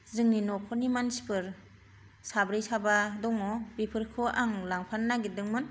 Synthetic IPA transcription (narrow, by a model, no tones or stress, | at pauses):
zɯŋninɔkʰɔnimansi̥pʰɯɾ | sabɾijsabadɔŋɔbipʰɯɾkʰɯʔaŋlaŋpʰanːaɡidɯŋmɯn